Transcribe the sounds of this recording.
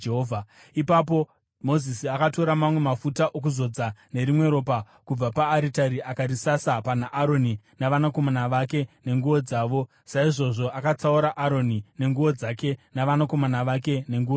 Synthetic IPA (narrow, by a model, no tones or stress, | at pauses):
eɦoːvʱa | ipap̬o̞ | mo̞zisiakato̞ɾamamwe̞mafutaʔok̬uzo̞d͡zane̞ɾimwe̞ɾo̞ːpa | kub͡vapaːɾitaɾiʔakaɾisasapanaʔaɾo̞ni | naʋanako̞manaʋake̞ne̞ŋɡuʋo̞d͡zaːʋo̞ | saiʐo̞ʐo̞ʔakat͡sauɾaʔaɾo̞nine̞ŋɡuʋo̞d͡zake̞naʋanakomanaʋake̞ne̞ŋɡuʋa